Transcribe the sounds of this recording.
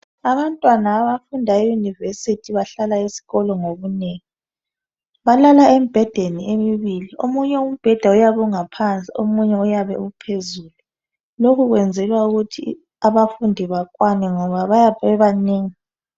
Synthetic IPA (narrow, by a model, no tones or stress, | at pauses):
aβantʼwanaːβafundʱaejunivesitʰiβaɬalaisi̥ɣɔlɔŋoβuneŋi | βalalaɛm̩b̥ʱɛd̥ʱeniemiβiliomuɲɛum̩b̥ʱɛd̥ʱaujaβɔŋapʰant͡sʼḭomuɲɛujaβɛ̰upʰezuːlu | lokʰuɣwɛnd͡zʱɛlwauɣutʰḭ | aβafundʱiβakʼwanɛŋɔβaβajaɛβaneːŋi